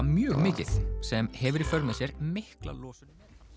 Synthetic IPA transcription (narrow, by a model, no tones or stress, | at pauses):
mjœːɣmɪːcɪθsɛmhɛvʏɾifœɾt̪nasjɛɾmɪhkla̰lɔːsʏnɪ